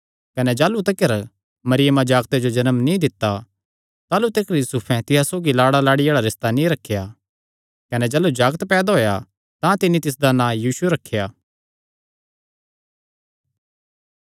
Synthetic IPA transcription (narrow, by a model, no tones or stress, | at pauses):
kɐnɛd͡ʒaːlut̪̬ekəɾ | mɐɾɪjəmad͡ʒaːɡt̪ed͡ʒod͡ʒɐnəmnĩd̪ɪt̪ːa | t̪aːlut̪ekəɾjuːsupʰɛ̃t̪ɪɦasoːɡilaːɽalaːɽijaːɭaɾɪst̪anĩɾɐkʰːja | kɐnɛd͡ʒɐːlud͡ʒaːɡt̪pɛːd̪aɦoːja̰ | t̪ãt̪ɪnit̪ɪs̬d̪anãjiːsueɾɐkʰːejaː